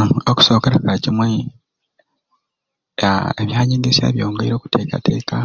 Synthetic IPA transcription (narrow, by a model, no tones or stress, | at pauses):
oku̥so̞ːkeɾakaacimwe | eβjaːɲiːndesa̰βjo̞ːŋɡeiɾo̞ːku̥tʰe̞ːka̰te̞ːka